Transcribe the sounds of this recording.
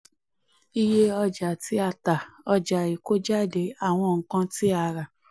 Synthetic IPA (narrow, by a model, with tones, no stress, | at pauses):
i˧je˦ɔ˧d͡ʒa˨ti˨˦a˧˨ta˨ɔ˧d͡ʒa˨i˨ko˦d͡ʒa˦˨de˧˦a˦˨w̃ɔ̃˧ŋ̩˨kã˧ti˦a˧˨ɾa˨